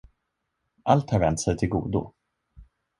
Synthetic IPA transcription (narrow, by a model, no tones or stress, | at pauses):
ʔalt̪haɾvɛnt̪sɛjt̪ʰɪlɡṵːd̪ʊ̰